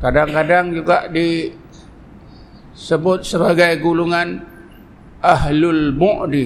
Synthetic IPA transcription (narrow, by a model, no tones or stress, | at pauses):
kadaŋkadaŋd͡ʒuɡaʔdi | səbʊt̪̚səbaɡajɡuluŋan | ʔaɦlʊlmɔʔdi